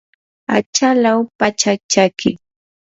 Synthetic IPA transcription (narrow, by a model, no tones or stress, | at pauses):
a̰t͡ʃalawpat͡ʃat͡ʃakɪ